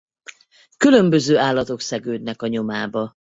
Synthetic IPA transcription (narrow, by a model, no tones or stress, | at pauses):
kylø̞mbøzøːaːlːɒt̪o̞ksɛɡøːd̪̚nɛkɒɲo̞maːbɒ